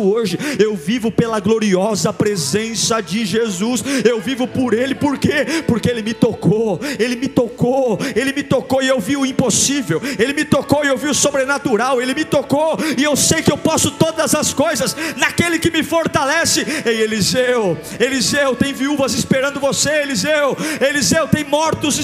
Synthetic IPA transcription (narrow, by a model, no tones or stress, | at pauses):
ʊoʒɪewvivʊpelɐɡloɾiɔzɐpɾezẽsɐd͡ʒɪʒezusewvivʊpoɾelɪpoɾkepoɾkeelɪmɪt̪okʰoelɪmɪt̪okoelɪmɪt̪okoɪewviʊĩposivewelɪmɪt̪okoɪewviʊsobɾenat̪uɾawelɪmɪt̪okoɪewsejkɪewpɔsʊt̪od̪ɐzɐskojzɐsnakelɪkɪmɪfoɾt̪alɛsɪejelizew | elizewt̪ẽj̃viuvɐzɪspeɾɐ̃nd̪ʊvoseelizewelizewt̪ẽj̃mɔɾt̪ʊz